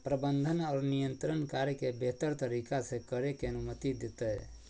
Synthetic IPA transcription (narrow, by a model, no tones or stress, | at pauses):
pɾəbənd̪ʱənaːɾnijənt̪ɾənkaɾjkebet̪əɾt̪əɾikasekəɾekeənumət̪id̪et̪ə